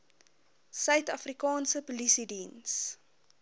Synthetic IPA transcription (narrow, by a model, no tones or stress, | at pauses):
sœɥtɐfrikɑːnsəpulisidins